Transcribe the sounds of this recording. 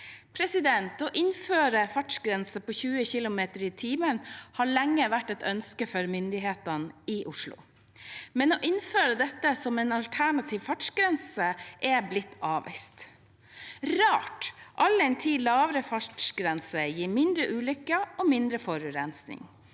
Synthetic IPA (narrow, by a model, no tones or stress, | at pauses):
pʰɾɛsɪd̪ɛnt̪ɔʔɪnføːɾəfɑʈʂɡɾɛnsəpoːçʉːəçɪlʊmeːt̪əɾɪt̪ʰiːmənhɑɭɛŋːəʋæʈːɛt̪œnskəfɔɾmʏnd̪ɪɦeːt̪ənɪʔʊʂlʊ̰ | mɛnɔʔɪnføːɾəd̪ɛt̪ːəsɔmɛnɑlt̪ʰæɳɑt̪ʰiːʋfɑʈʂɡɾɛnsəʔɛblɪt̪ʰːɑːʋɪ̰st̪ | ɾɑːʈʔɑlːɛɪnt̪ʰiːlɑːʋɾəfɑʈʂɡɾɛnsəjiːɾmɪnd̪ɾəʔʉːlʏkːəɔmɪnd̪ɾəfɔɾʉɾɛnsnɪ̰ŋ